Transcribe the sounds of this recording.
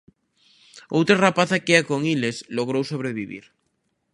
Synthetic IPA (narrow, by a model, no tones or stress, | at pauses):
owt̪ɾarapaθakeakoŋilesloɣ̞ɾowsoβ̞ɾeβiβḭɾ